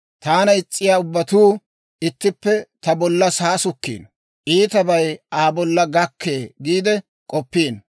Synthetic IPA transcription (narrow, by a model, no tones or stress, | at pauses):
t̪aːnɐɪt͡sʼːɪjaːʊbːɐt̪uː | ɪt̪ːɪpːɛt̪ɐbɔlːɐsaːsʊkːḭːn | ʔiːt̪ɐbɐjaːbɔlːɐɡɐkʰːeːɡiːd̪ɛ | kʼɔpːiːn